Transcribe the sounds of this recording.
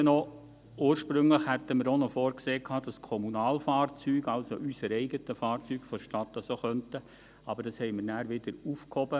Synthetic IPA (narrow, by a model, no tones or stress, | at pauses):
nɔ | uːɾʃpɾʏŋləχhætəməɾonɔfoːɾkseːkʰɑːd̥ɑskʰɔmunɑːlfɑːɾt͡syːɡɑlsoʔysəɾɛɪɡətəfɑːɾt͡syːkfɔʃtɑtːɑsoχœntə | ɑb̥əɾd̥ɑshɛɪmɪɾnæːɾʋɪd̥̪əɾufkhɔbə